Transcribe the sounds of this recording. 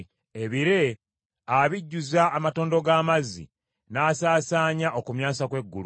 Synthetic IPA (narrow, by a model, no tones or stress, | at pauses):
eβiɾe̞ | aβiɟːuzaʔːmato̞ːndo̞ɡaːmazḭ | naːsaːsaːɲaʔo̞kumjaːsakwe̞ɡːṵl